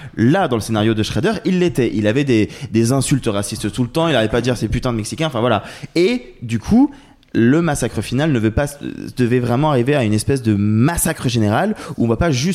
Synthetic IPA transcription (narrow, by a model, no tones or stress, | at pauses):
lad̪ɑ̃ləsenaʁjod̪əʃχɛd̪œʁilːet̪ɛʔḭlavɛd̪ed̪ezɛ̃sylt̪əʁasist̪t̪ulət̪ɑ̃ilaɛpad̪iʁsɛpyt̪ɛ̃mɛksikʲɛ̃ɑ̃fɛ̃vwalaed̪ykʰu | ləmasakχəfinalnəvøpasd̪əvɛvʁɛmɑ̃aʁiveaynɛspɛsd̪əmasakχəʒeneʁaluɔ̃vapaʒy